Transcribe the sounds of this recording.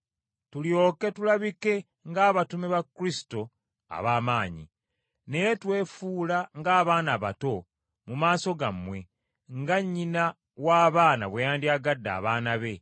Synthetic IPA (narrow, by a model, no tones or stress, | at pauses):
tuljo̞ːke̞tulaβike̞ | ŋɡaːβatumeβakːuɾisi̥to̞ | a̰βaːmaːɲḭ | ne̞jetwe̞ːfuːlaŋɡaːβaːnaβato̞ | mumaːso̞ɡamwe̞ | ŋɡaɲːina | waːβaːna̰βwejaːndiaɡadːa̰ːβaːnaβe̞